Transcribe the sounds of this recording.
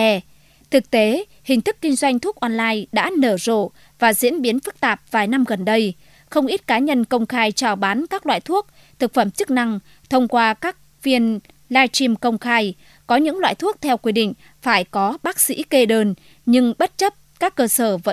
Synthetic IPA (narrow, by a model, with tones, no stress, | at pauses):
ɛ˧ | t̪ʰɨ˨˩k̚t̪e˨˦ | hï˨˩ŋ̟t̪ʰɨ˦˥kːï˧ŋ̟zwa˧jŋ̟t̪ʰu˦˥ək̚ʔɔ˧nlaː˧jɗa̰ː˧˥nəː˧˩zo̰˧˨ | vaː˨˩zḭ˧˥ənɓi˨˦ənfɨ˦˥k̚t̪aː˨˩p̚vaː˨˩jna˧mɣə˨˩nɗə˧j | xə˧wŋ͡mʔi˦˥t̚kaː˨˦ɲə˧nkə˧wŋ͡mxaː˧jt͡ɕaː˧˩wɓaː˨˦nkaː˦˥k̚lwa̰ː˧˨jt̪ʰu˦˥ək̚ | t̪ʰɨ˨˩k̚fə˧˩mt͡ɕɨ˦˥k̚na˧ŋ | t̪ʰə˧wŋ͡mkwaː˧kaː˦˥k̚ | fi˧ən | laː˧jt͡ɕi˧mkə˧wŋ͡mxaː˧j | kɔ˨˦ɲɨ̰˧˥ŋlwa̰ː˧˨jt̪ʰu˦˥ək̚t̪ʰɛ˧wkwi˧ɗḭ̈˧˨ŋ̟ | faː˧˩jkɔ˨˦ɓaː˦˥k̚sḭ˧˥ke˧ɗəː˧n | ɲɨ˧ŋɓə˦˥t̚t͡ɕə˦˥p̚kaː˦˥kːəː˧səː˧˩və̰˧˥